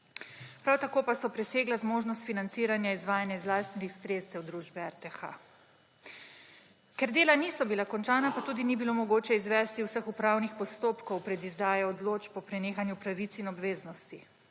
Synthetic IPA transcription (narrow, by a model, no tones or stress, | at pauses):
pɾawt̪akoːpasɔpɾɛseːɡlazmoːʒnɔst̪finant̪siːɾanjaizʋaːjanjɛzlaːst̪it̪ixsɾeːtsɛwd̪ɾuːʒbɛɛɾt̪ɛxa̰ | kɛɾd̪eːlaniːsɔbilakɔnt͡ʃaːnapat̪uːd̪inibilomɔɡoːt͡ʃɛizʋɛst̪iwsəxupɾaːwnixpɔst̪oːpkɔwpɾɛd̪izd̪aːjɛɔd̪loːt͡ʃpɔpɾɛneːxanjupɾaʋit̪sinɔbʋeːznɔst̪i